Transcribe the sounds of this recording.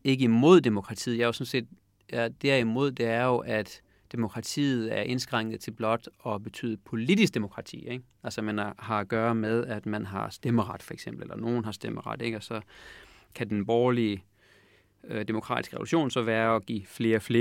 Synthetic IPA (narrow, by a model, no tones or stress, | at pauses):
e̝ɡ̥əimo̝ð̞̰ˠd̥emo̝kʰʁɑ̈t͡sʰḭːð̩ˠjɑjosɒ̽nse̝̰ːd̥ | d̥æɐ̰imo̝ð̞̰ˠd̥e̝æɐjo̝ʔæd̥ː | e̝mo̝kʰʁɑ̈t͡sʰḭːð̩ˠæɐʔe̝nsɡ̥ʁaŋ̰əð̞̩ˠt͡sʰe̝lb̥lɒ̽d̥ɒ̽b̥e̝t͡sʰy̰ːðˠəpʰo̝lid̥isɡ̥̚d̥e̝mo̝kʰʁɑ̈t͡sʰḭːeɡ̥ | ælsəmænhɑ̈æɡ̥ɶːɐmeð̞ˠæd̥mænɦɑ̈sd̥eməʁɑ̈d̥fɒ̽eɡ̥semb̥l̩elɐno̝ːn̩ɦɑ̈sd̥eməʁɑ̈d̥eɡ̥ɒ̽sɒ̽ | kʰæd̥enb̥ɒːliə | d̥e̝mo̝kʰʁɑ̰ːdisɡ̥əʁɛ̰ʋṵluɕo̝̰ːnsɒ̽ʋæːɐɒ̽ɡ̥ḭːfle̝ːɐfle